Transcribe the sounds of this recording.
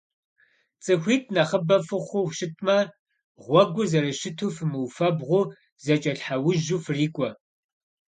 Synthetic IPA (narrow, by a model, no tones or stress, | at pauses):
t͡sʼɨxʷiːtʰʼnɐχəbɐfɨχʷʊʃɪtʰʼmɐ | ʁʷɔɡʷʊzɐɾɐʃɪtʰufɨmɨwfɐbʁʷʊ | zɐt͡ʃʼɐɬħawʊʒufriːkʷʼɔ